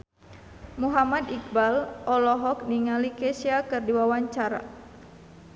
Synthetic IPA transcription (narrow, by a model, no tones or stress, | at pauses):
muɦamad̪ik̚balʔɔlɔɦɔk̚niŋalikɛsiakɨrdiwawaɲt͡ʃaɾa̰